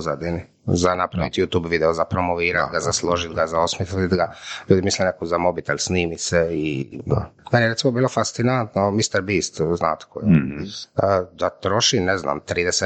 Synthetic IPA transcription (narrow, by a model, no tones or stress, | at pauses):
zad̪ini | zanapɾaʋit̪jut̪uːbʋid̪ɛozapɾomoʋiːɾat̪ɡazaslˠoʒit̪ɡazaosmeslit̪ɡaʎuːd̪imislɛnekozamo̞bit̪elʲsniːmisei | menijeɾet̪imobiːlofast̪sinant̪nomist̪eɾbiːst̪zna̰ːt̪kʰojo | d̪at̪ɾo̞ʃinezna̰ːmt̪ɾiːd̪ese